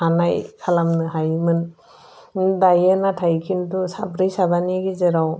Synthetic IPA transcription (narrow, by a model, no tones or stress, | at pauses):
anajkʰalamnɯɦajmɯn | dajenatʰajkʰintusabɾijsabaniɡizeɾaw